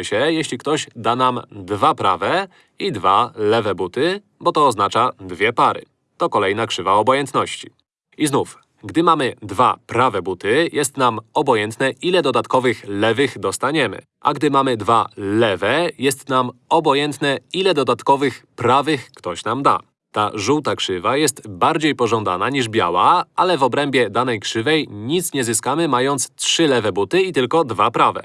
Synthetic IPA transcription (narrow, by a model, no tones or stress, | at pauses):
ɘɕɛjɛɕlʲikt̪ɔʑd̪anamd̪vapɾa̰vɛ | id̪va̰lɛvɛbut̪ɘ | bɔt̪ɔːznat͡ʂad̪vʲjɛpaɾɘ̰ | t̪ɔkɔlɛjnakʂɘvaɔbɔjɛnt̪nɔɕt͡ɕi̥ | iznuf | ɡd̪ɘmamɘd̪va̰pɾavɛbut̪ɘjɛst̪namɔbɔjɛnt̪nɛʔilɛd̪ɔd̪at̪kɔvɘxlɛvɘxd̪ɔst̪aɲɛmɘ̰ | ʔa̰ɡd̪ɘmamɘd̪valɛvɛjɛst̪namɔbɔjɛnt̪nɛilɛd̪ɔd̪at̪kɔvɘxpɾavɘxkt̪ɔɕnamd̪a̰ | t̪aʐuwt̪akʂɘvajɛst̪baɾd͡ʑejpɔʐɔnd̪a̰naɲiʐbʲja̰wa̰alɛvɔbɾɛmbʲjɛd̪anɛjkʂɘvɛjɲit̪sɲɛzɘskamɘmajɔnt̪stʂɘlɛvɛbut̪ɘit̪ɘlkɔd̪vapɾavɛ̰